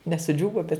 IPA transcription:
nʲɛ sʊˈd͡ʒʲuːʋoː bʲɛt

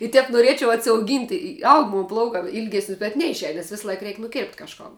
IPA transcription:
ɪ ˈtʲɛp nʊˈrʲiɛt͡ʃʲɛʊ ɐtʲsʲɛʊˈɡʲiːnʲtʲ ɪ ɪ ˈɐʊk ˈmoːn ˈplˠɐʊkɑː ˈiːlʲɡʲɛsʲnʲɪs bʲɛt ˈnʲɛɪʃʲˌɛɪn nʲɛs ˈʋʲɪsˌlˠɐɪk ˈrʲɛɪkʲ nʊˈkʲeːrʲpʲtʲ kɐʃˈkoːn

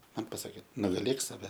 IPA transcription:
ˈmɐn pɐˈsɑːkʲeː nʊɡɐˈlʲeːk sɐˈʋʲɛ

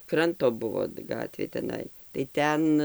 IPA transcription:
ˈkrɐntoː ˈbʊʋoː ˈɡɑːtʲʋʲeː tʲɛˈnɐɪ tɐɪ ˈtʲɛn

